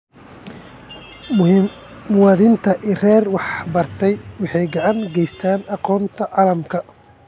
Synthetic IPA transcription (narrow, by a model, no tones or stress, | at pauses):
mʊwɑːðɪnt̪ʰɐʔirɛːrwɑħbɐrt̪ʰɛjwɑħɑjɡɑʕɑŋɡɛjst̪ʰaːnɑqɔːnt̪ʰɐʕɑːlɐmkʰɐ